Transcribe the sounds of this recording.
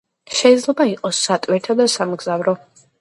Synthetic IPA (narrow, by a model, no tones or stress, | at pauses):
ʃɛid̪zlɛbaiqʼɔsːat̪ʼwiɾt̪ʰad̪asamɡz̥avɾɔ